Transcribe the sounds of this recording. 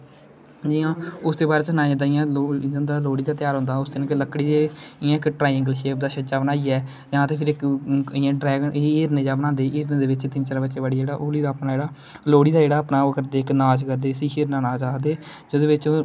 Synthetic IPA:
d͡ʒiːãːʊsd̪eːbaːɾeːt͡ʃənaːãːd̪aːɪjãːõnd̪aːloːɽiːd̪aːt̪ɪjaːɾɦõʊ̃ːnd̪aːʊst̪nːkləkːɽiːd̪eːɪjãːɪkːʈɾaːjə̃ŋɡəlʃeːp̚d̪aːʃət͡ʃaːbənaːiːɛː | d͡ʒaãːt̪eːpʰɪɾɪkɪjãːɖɾɛːɡeːɾnẽːd͡ʒaːbənãːnd̪eːʔeːɾnẽːd̪eːʋɪt͡ʃt̪ɪnt͡ʃəɾãbətːʃeːbaːɽiːd͡ʒeːɽaːʔoːliːd̪aːəpnaːd͡ʒeːɽaː | loːɽiːd̪aːd͡ʒeːɽaːəpnaːkəɾd̪eːɪknaːd͡ʒkəɾd̪eːəsĩːʃeːɾnaːnaːd͡ʒaːd̪eː | d͡ʒoːd̪eːʋɪt͡ʃ

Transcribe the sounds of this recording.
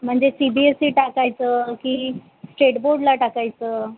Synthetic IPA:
m̤əɳd͡zesibiesiːʈakajt͡səkiː | sʈeʈboɾɖlaʈakajt͡səː

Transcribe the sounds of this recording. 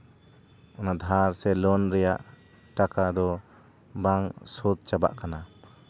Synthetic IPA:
ɔnad̪ʱaɾsɛlɔnɾɛjaʔ | ʈakad̪ɔ | baŋsɔt̪̚t͡ʃaba̰ʔkana

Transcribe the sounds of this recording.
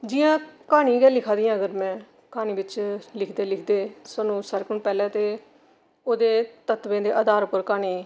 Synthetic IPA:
d͡ʒɪːãːkaːɽ̃ĩːɡɛːlɪkʰãːd̪iːãːəɡəɾmɛ̃ː | kaːñiːbɪt͡ʃlɪkʰd̪eːlɪkʰd̪eːsəːnũːsəɾkʊɳpɛːlɛ̃ːt̪eː | oːd̪eːt̪ət̪ʋẽːd̪eːʔəd̪aːɾpəɾkaːɳ̃iː

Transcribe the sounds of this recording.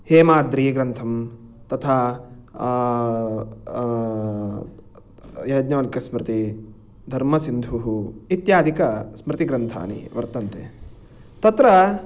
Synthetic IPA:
heːmaːd̪ɾiːɡɾɐnt̪ʰɐmt̪ɐt̪ʰa | jɐjd̪ɲɐʋɐlkɐsmɾɪt̪i | d̪ʱɐɾmɐsind̪ʱuɦuit̪jaːd̪ʱikɐsmɾɪt̪iɡɾɐnt̪ʰa̰ːnḭʋɐɾt̪ɐnt̪eː | t̪ɐt̪ɾɐ

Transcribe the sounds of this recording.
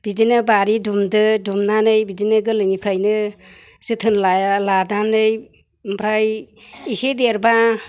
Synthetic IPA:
b̥idinɯbaɾidumdɯdumnanɯjbidinɯɡɯlɯŋipʰɾajnɯsɯtʰɯnlaladanɯj | mpʰɾajisedeɾba

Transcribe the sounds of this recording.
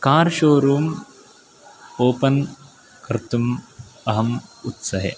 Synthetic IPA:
kaːɾʃoːɾuːm | oːpɐn | kɾɪt̪umɐɦɐmut̪sɐɦḛ

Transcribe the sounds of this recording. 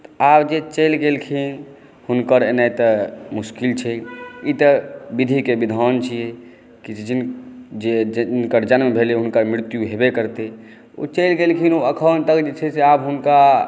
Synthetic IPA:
t̪abd͡ʒet͡ʃəjlɡelkʰin | hunkəɾenajt̪əmuskilt͡ʃʰɛit̪əbid̪ʱikebid̪ʱant͡ʃʰijɛ | kid͡ʒind͡ʒed͡ʒinkəɾd͡ʒanmebʱeleɦunkəɾmɾɾt̪juɦebekəɾt̪e | ṵt͡ʃəlɡelkʰinuəkʰənt̪əkd͡ʒet͡ʃʰɛseabɦunka

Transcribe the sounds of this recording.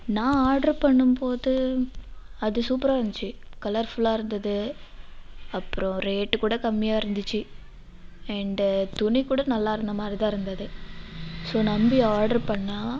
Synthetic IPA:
nãːaːɾɖɐɾpɐɳːɯmpoːðɯ | ɐðɯsuːpɾaːɪɾɯnd̪ɪt͡ʃːɯkɐlɐɾfʊlaːɪɾɯnd̪ɐðɯ | ɐpːɯɾɔ̃ɾeːʈːɯkuːɽɐkɐmːɪjaːɪɾɯnd̪ɯt͡ʃːɯ | ɛɳɖt̪ʊɳikuːɽɐnɐlːaːɪɾɯnd̪ɐmaːd̪ɾit̪ãːɪɾɯnd̪ɐðɯ | soːnɐmbiaːɾɖɐɾpɐɳːãː

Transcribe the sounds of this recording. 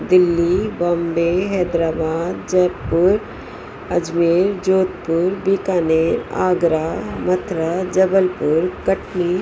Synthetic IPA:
d̪ɪlːibaːmbeːɦɛːd̪ɾaːbaːd̪d͡ʒɐpːʊɾ | ɐd͡ʒmeːɾd͡ʒoːt̪pʊɾbikaːneːɾa̰ːɡɾaːmɐt̪ʰɾad͡ʒɐbəlpʊɾkɐʈni

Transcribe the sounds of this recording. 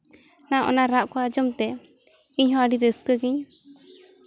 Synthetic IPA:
naʔɔ̰naɾaʔkɔad͡ʒɔmt̪ɛ | iɲhɔ̃aɖiɾəskəɡiɲ

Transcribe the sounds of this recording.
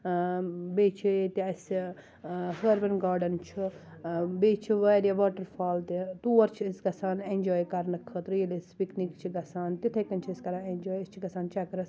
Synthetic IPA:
beːt͡ʃʰit̪iɐs | ɦəːɾbɐnɡaːɾɖɐnt͡ʃʰi | beːt͡ʃʰiʋɐːɾjɐʋaːʈɐɾfʰaːlt̪it̪uːɐɾt͡ʃʰiːsɡɐsaːnenʲd͡ʒoːjkɐɾnɐkʰət̪ɾɨjilispiknikt͡ʃʰiɡɐsaːnt̪it̪ʰɐkɐnt͡ʃʰiiskɐɾaend͡ʒoːjist͡ʃʰiɡɐsaːnt͡ʃɐkɾɐs

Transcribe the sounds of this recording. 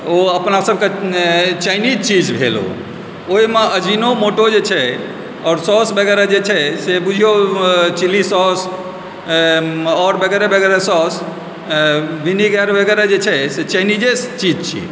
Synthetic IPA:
oəpnasəb̚ʱket͡ʃajnid͡ʒt͡ʃid͡ʒbʱelo̰ | oɦimeəd͡ʒinomoʈod͡ʒet͡ʃʰɛ | ɔːɾsɔsbəɡɛɾad͡ʒet͡ʃʰɛsebud͡ʒʱijot͡ʃilisɔs | ɔɾbəɡɛɾebʱəɡɛɾesɔs | ʋiniɡɛɾbəɡɛɾad͡ʒet͡ʃʰɛset͡ʃanid͡ʒest͡ʃid͡ʒt͡ʃʰḭ

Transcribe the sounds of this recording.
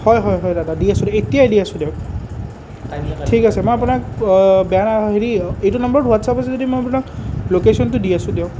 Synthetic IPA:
hɔjɦɔjɦɔjdadadiasʊ̃detijadiasʊ̃deʊk̚ | tʰikasɛmɔjapunak̚bɛjanaɦeɹiejtunʌmbɔɹtɦuatsapasɛzodimojapunaklokesɔntʊdiasʊ̃deʊk

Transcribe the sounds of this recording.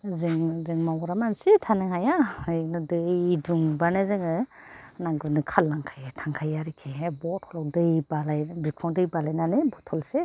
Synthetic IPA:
zɯŋzɯŋmawɾamansitʰanɯŋhajaɯnɯdɯjduŋbanazɯŋɯnaɡɯnɯkʰalːaŋkʰajtʰaŋkʰajaɾikʰibɔthɔlawdɯjbalajbikʰɔŋdɯjbalajnanebɔtʰɔlse

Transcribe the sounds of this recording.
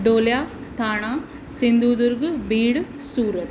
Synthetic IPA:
ɖoːljaːt̪ʰaːɳaː | sind̪uːd̪uɾɡɨbiːɽɨ | suːɾɐt̪

